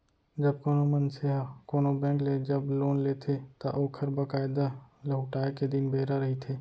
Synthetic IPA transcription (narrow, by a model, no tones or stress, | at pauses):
d͡ʒɐb̚koːnomənseɦakoːnobɛ̃ːkled͡ʒɐbloːnleːt̪ʰet̪aʔoːkʰəɾbakaːɪd̪alɐɦʊʈaːeked̪ɪnbeːɾaɾɐɦit̪ʰeː